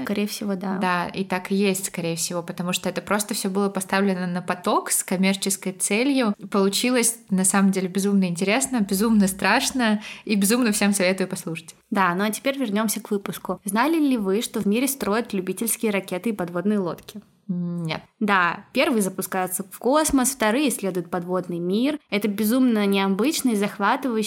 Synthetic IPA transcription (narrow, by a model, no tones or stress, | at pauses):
kɐɾʲejfsʲɪvod̪aaḭt̪akɨjesʲtʲskɐɾʲejəfsʲɪvo̞pət̪ɐmuʂt̪oɛt̪əpɾo̞st̪əfsʲobɨlˠəpɐst̪avlʲɪnənəpɐt̪o̞kskɐmʲe̞rt͡ɕɪskəjt̪sɛlʲjʊpəlˠʊt͡ɕilˠəsʲnɐsaməmdʲelʲɪbʲɪzumnəɪnʲtʲɪɾʲesnəbʲɪzumnəst̪ɾaʂnəibʲɪzumnəfsʲe̞msɐvʲe̞t̪ʊjʊpɐslˠuʂə̥tʲ | d̪anoɐtʲɪ̥pʲeɾʲvʲɪrnʲo̞msʲəkvɨpʊskʊznalʲɪlʲɪvɨʂt̪ovmʲiɾʲɪst̪ɾo̞jɪt̪lʲʉbʲitʲɪlʲskʲɪjəɾɐkʲet̪ɨipɐd̪vo̞d̪nɨjəlˠo̞t̪kʲɪ | nʲḛt̪̚d̪apʲe̞rvɨjzəpʊskajɪt̪səfko̞sməsft̪ɐɾɨjəsʲlʲe̞d̪ʊjɪt̪̚pɐd̪vo̞d̪nɨjmʲirɛt̪əbʲɪzumnənʲɪɐbɨt͡ɕnɨjzɐxvat̪ɨvəj